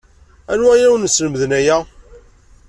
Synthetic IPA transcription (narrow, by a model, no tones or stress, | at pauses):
ænuæjæwnsləməðnæjæ